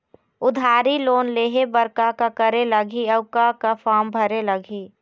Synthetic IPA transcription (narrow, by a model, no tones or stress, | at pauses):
ʊd̪ʱaːɾiloːnleːɦebəɾkakakəɾeləɡʱiɐʊkakafʰaːmbʱəɾeləɡʱi